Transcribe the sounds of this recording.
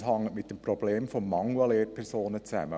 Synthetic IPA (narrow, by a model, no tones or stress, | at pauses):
hɑŋːəmɪt̚d̥empɾɔb̥leːmfɔmːɑŋuɑleːɾpʰɛɾsoːnət͡sæ̰mə